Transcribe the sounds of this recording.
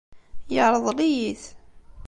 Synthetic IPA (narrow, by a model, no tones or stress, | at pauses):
jəʕɾˤəðˤlijiθ